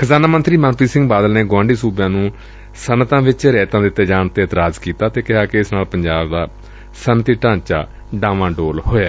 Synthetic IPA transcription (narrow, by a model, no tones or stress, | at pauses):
kʰəzaːnaːmə̃nt̪ɾiːmə̃ːnpiːsɪ̃ŋɡbaːd̪əlneːɡwãːɳɖiːsuːbjãːnũː | sənt̪ãːʋɪt͡ʃɾɛːt̪ãːd̪ɪt̪ːeːd͡ʒaːnt̪eːət̪ɾaːzkiːt̪aːt̪eːkɪɦaːkeɪsnaːlpəɲd͡ʒaːbd̪aː | sənt̪iːʈãːɲt͡ʃa̰ː | ɖãːʋãːɖoːlhoːaː